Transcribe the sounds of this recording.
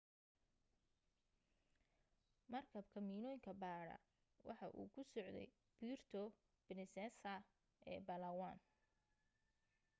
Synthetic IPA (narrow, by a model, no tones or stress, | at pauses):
mɐrkʰɐbkʰɐmiːnɔːjŋkʰɐbaːɽɐ̰ | wɑ̰ħɑʔṵːkʰʊsɔʕd̪ɛ̰j | b̥iːrt̪ʰɔ | b̥ɪnɪsɛsɐ | ʔɛ̰ːbɐlɐwaːn